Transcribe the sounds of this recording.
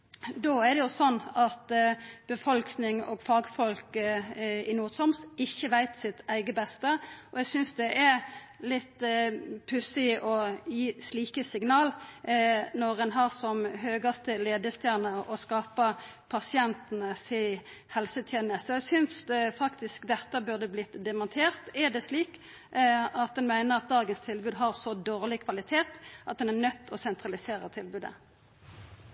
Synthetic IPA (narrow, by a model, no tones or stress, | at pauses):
d̪oːɛɾd̪ɛjʊsɔnːɑt̪b̥əfɔlknɪŋɔ̰ːɡfɑːɡfɔlk | ɪnuːt̪ʰɔmsɪçːəʋæɪt̪sɪt̪æɪɡəbɛst̪əʔɔɛɡsʏnsd̪ɛʔɛ | lɪt̪ːpʰʉsɪʔɔjiːsliːkəsɪɡnɑːl | nɔʁɛnɦɑːʁsɔmɦøːɡəst̪əleːd̪əst̪ʰjæːnəɾɔskɑːpəpʰɑsɪɛnt̪nəsɪ | hɛlsət̪ʰjeːnəst̪ɔɛsʏnsfɑkt̪ɪskd̪ɛt̪ːəbʉʁd̪əblɪt̪d̪ɛmɑnt̪ʰeːʁt̪ɛd̪ɛsliːk | ɑt̪̚d̪ɛnmæɪnəʁɑt̪̚d̪ɑːɡənst̪ʰɪlbʉːd̪ɦɑʁsɔd̪oːʁlɪkʰʋɑlɪt̪ʰeːt̪ʔɑt̪̚d̪ɛnæʁnœt̪ːɔsɛnt̪ʰʁɑlɪseːʁət̪ʰɪlbʉːd̪ə̰